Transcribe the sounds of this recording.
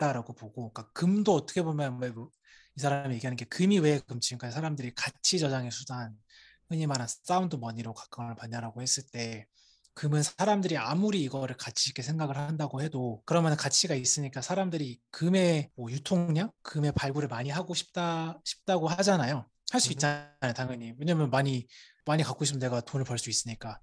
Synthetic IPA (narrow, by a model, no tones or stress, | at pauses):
t͈aɾaɡopoɡok͈akɯmdoʌtʰʌ̥kʰe̞bomjʌnwe | isʰaɾamije̞ɡiɦanɯnɡe̞kɯmiwe̞ɯmt͡ɕʰiŋkaesʰaɾamdɯɾikat͡ɕʰit͡ɕʌd͡ʑaŋesʰudan | hɯɲimanɦans͈aundomʌɲiɾokḁk͈aŋɯɭpaɲːaɾaɡohe̞s͈ɯɭt͈e̞ | kɯmɯnsʰaɾamdɯɾiamuɾiːɡʌɾɯɭkat͡ɕʰiik͈ʰe̞sʰe̞ŋɡaɡɯɭhandaɡohe̞dokɯɾʌmjʌnnkat͡ɕʰiɡais͈ɯɲik͈asʰaɾamdɯɾikɯme̞mwʌjutʰoŋŋɲaŋkɯme̞paɭɡuɾɯɭmaɲiɦaɡoɕʰi̥p̚t͈aɕʰi̥p̚t͈aɡoɦad͡ʑanajo | haɭs͈uit̚t͡ɕ͈aajotaŋʌɲimwe̞ɲamjʌnmaɲi | maɲikak͈oɕʰipʌne̞ɡatonɯɭpʌɭs͈uis͈ɯɲik͈a